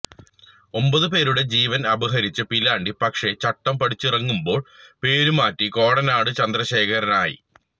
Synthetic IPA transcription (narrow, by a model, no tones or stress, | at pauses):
o̞mbɐðɨpe̞ːɾuɽe̞d͡ʑiːʋɐnɐbɐɦɐɾit͡ɕːɐpilaːɳɖipɐkʂe̞t͡ɕɐʈːɐmpɐɽit͡ɕːirɐŋːumbo̞ːɭpe̞ːɾumaːtːiko̞ːɽɐnaːɽɨt͡ɕɐnd̪rɐɕe̞ːkʰɐɾɐnaːjḭ